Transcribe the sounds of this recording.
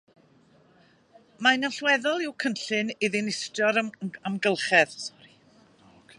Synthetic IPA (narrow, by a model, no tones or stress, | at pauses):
manaɬwɛðɔlˠiwkʰənɬɨnɪðɪnɪstjɔɾamɡəlˠχɛðsɔ̥ɾi